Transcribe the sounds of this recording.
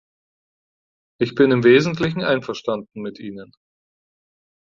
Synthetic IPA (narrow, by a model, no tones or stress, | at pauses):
ʔɪçb̥ɪnɪmveːzn̩tlɪçn̩ʔaɪnfɛɐʃtandn̩mɪtʔiːnən